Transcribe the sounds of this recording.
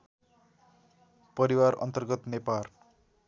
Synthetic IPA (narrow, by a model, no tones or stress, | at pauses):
pʌɾiwarʌ̰nt̪ʌrɡʌt̪nepar